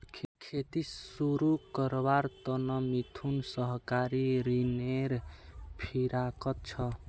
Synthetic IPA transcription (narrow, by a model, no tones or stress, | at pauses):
kʰkʰet̪isuɾukəɾbaɾt̪ɔnʌmit̪ʰunsʌɦkaɾiɾineɾpʰiɾakʌt̪̚t͡ʃʰʌ